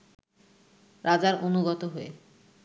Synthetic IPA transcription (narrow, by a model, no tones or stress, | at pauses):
ɾʔad͡ʑaɾonuɡɔt̪oɦoḛ